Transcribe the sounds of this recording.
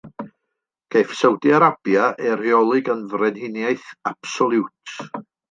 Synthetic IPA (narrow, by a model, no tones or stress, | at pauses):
ɡ̥ejfsəwdiaɾab̥jaʔɛɾjɔlˠɨɡənvrɛnhɪnjajθab̥sɔlˠuwtʰ